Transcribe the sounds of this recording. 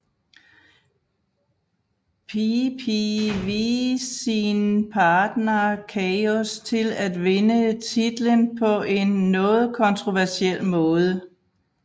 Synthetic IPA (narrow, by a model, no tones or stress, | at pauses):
pʰipʰiʋiːsinpʰɑ̈ːd̥nɐkʰɛɪɔst͡sʰe̝læd̥ʋe̝nət͡sʰid̥lənpʰɒ̽ʔe̝nːɔ̽ːð̞̩ˠkʰɒ̽nt͡sʰʁo̝ʋæɐsiel̰mɔ̽ːð̞ˠə